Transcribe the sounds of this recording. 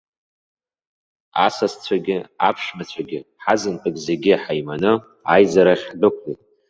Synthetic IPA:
a̰sast͡ɕʷʰaɡʲɪapʰʂmat͡ɕʷʰaɡʲɪħazɨnpʰʼɨkʲʼzeɡʲɪħajmanɨ | ajzaɾaχʲbʷɨkʷʰitʼ

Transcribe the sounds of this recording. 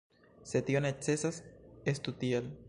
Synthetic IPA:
set̪jonet͡sesasest̪ut̪iel

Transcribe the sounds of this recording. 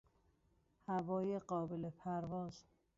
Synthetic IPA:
hævɒːjeɢɒːbelepʰæɾvɒːz̥

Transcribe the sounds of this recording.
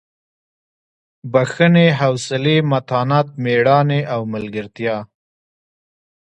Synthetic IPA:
baxəneɦawsɪlemat̪ɑnɑt̪̚meɽɑneʔawmalɡəɾt̪jɑ

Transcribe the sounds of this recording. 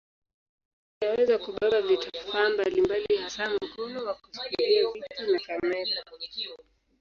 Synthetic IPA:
jawɛzakuɓaɓavitafambalimbalihasam̩kɔnɔwakusi̥kiliavitinikamɛta

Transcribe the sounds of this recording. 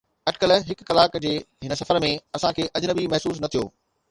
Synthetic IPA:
ɐɖkəlɦɪkːɐlaːkd͡ʑeːɦɪnə̆sɐfəɾmẽɐsãkʰeːʔɐd͡ʑnəbimɐɦsuːs̬nɐt̪ʰijo̰ː

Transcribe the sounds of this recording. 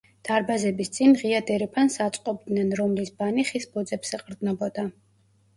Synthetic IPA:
d̪̥aɾbazɛbist̪sʼinʁiad̪ɛɾɛpʰansat̪sʼqʼɔbd̪nɛnɾɔmlisbaniχisbɔd̪zɛpsɛqʼɾd̪znɔbɔd̪a

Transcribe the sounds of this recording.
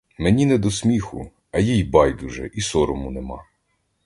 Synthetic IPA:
menʲinɛd̪ɔsmʲixʊ̰ | ɐjijbɑjd̪ʊʒɛ̰ʔisɔɾɔmʊnemɑ̰

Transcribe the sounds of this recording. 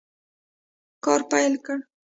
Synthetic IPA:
koɾpajlka

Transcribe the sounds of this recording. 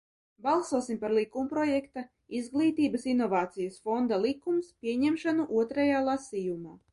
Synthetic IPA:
balˠsuɔsimpaɾlˠikumpɾɔjɛkt̪a | izɡlˠiːt̪iːbɐsinɔvaːt̪sijasfɔnd̪alˠikːumspʲiɛɲɛmʃanuʔuɔt̪ɾajaːlˠasijumaː

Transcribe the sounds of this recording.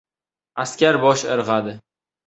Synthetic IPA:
askʲaɾbɒʃɨɾʁad̪ɪ

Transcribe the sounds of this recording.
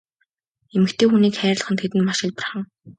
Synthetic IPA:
emɘ̆kt̪ʰeːxuniːkχæːɾɪ̆ɮ̆χə̆nt̪ʰet̪ɘ̆nmaʃɪ̆ɮpărχə̆ŋ

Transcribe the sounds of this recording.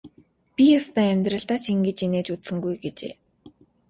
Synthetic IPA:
pʲijɔst̪æːemʲt̪rə̆ɬt̪aːt͡ɕʰiŋɡĕt͡ɕineːt͡ɕut͡ssɘ̆ŋɡujɡet͡ɕḛː

